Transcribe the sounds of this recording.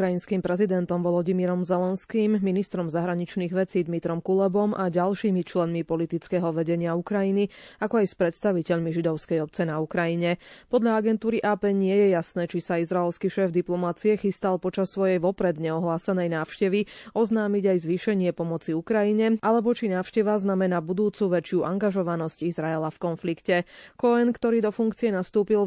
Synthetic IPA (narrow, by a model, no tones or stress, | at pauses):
kɾainskiːmpɾɛzid̪ɛnt̪ɔmʋɔlɔɟimiɾɔmzɛlɛnskiːmːinist̪ɾɔmzaɦɾaɲit͡ʃniːɣʋɛt͡siːd̪mit̪ɾɔmkulɛbɔmʔaɟalʃiːmit͡ʃlɛnmipɔlit̪it͡skɛːɦɔʋɛɟɛɲɪaukɾajiniakɔajspɾɛt̪st̪aʋicɛʎmiʒid̪ɔʊskɛjɔp̚t͡sɛnaukɾajiɲɛpɔd̪ʎaaɡɛnt̪uːɾiʔaːpɛːɲɪɛjɛjasnɛːt͡ʃisaizɾaɛlskiʃɛːvd̪iplɔmat͡siɛxist̪alˠpɔt͡ʃasːʋɔjɛjʋɔpɾɛd̪ɲɛɔɦlaːsɛnɛjnaːʊʃcɛʋiɔznaːmiɟajzʋiʃɛɲɪɛpɔmɔt͡siukɾajiɲɛʔalɛbɔt͡ʃinaːwʃcɛʋaznamɛnabud̪uːt͡suʋɛt͡ʃjuʔaŋɡaʒɔʋanɔscizɾaɛlafkɔnflikcɛkɔɛnkt̪ɔɾiːd̪ɔfuŋkt͡siɛnast̪uːpil